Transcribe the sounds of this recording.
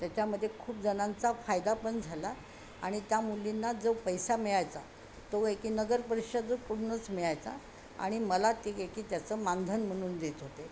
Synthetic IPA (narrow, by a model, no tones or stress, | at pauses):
t̪jat͡ɕaməd̪ʱːjekʰuːp̚d͡zənãnt͡safajd̪apəɳd͡zʱala | a̰ɽ̃it̪jamulːinːad͡zəpəjsamiɭajt͡sa̰ | t̪oekiːnəɡəɾpəɾikʂad͡zəkuɽunət͡smiɭajt͡sa̰ | a̰ɽ̃iməlat̪iekiːt̪jat͡səmand̪ʱənm̤əɽ̃uːnd̪et̪ɦot̪e